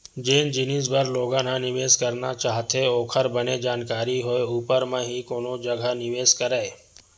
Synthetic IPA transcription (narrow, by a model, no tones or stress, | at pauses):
d͡ʒeːnd͡ʒɪnisbəɾloːɡãːnãnɪʋeːskɐɾnat͡ʃaːɦt̪eoːkʰəɾbɐned͡ʒaːnkaːɾiɦoeuːpəɾmẽɦikoːnõd͡ʒɐɡʱanɪʋeːskəɾəe